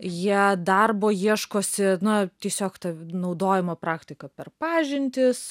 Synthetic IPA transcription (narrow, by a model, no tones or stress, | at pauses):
jiɛd̪ɐrboːjiɛʃkoːsʲɪnɐt̪ʲiɛsʲoːkt̪ɐnɐʊd̪oːjɪmoːpɾɑːkt̪ʲɪkɐpʲɛrpɑːʒʲɪnʲt̪ʲɪs